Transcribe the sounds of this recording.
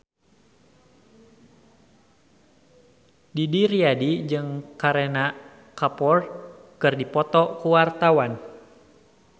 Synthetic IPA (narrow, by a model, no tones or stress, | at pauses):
didiriadid͡ʒɨŋkaɾena | kapɔrkɨrdipɔt̪ɔkuwart̪awan